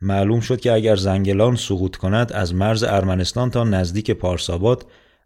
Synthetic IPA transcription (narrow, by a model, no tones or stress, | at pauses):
mæʔluːmʃo̞d̪̚cʰe̞æɟæɾzæŋɟe̞lɒːnsoɣuːt̪ʰkʰo̞næd̪æzmæɾzḛʔæɾmæne̞st̪ɒːnt̪ʰɒːnæzd̪iːcʰepʰɒːɾsɒːbɒːd̪̥